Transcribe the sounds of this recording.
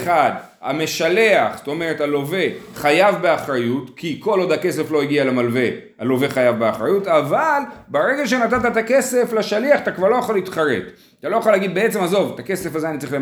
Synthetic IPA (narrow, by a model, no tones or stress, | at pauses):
χad̪ | ha̰me̞ʃale̞aχz̥t̪o̞me̞ʁetalo̞ve̞χajavbe̞aχʁajutkʰiko̞lo̞d̪hake̞se̞flo̞iɡialemalve̞ | alo̞ve̞χajavbeaχʁajutavalbeʁe̞ɡaʃ̬enat̪at̪at̪ake̞se̞flaʃaliaχt̪akvaʁlo̞jaχalitχaʁe̞̰t̪ | t̪alo̞jaχalaːɡid̪̚beet͡se̞mazo̞vt̪ake̞se̞fazeanitt͡sʁile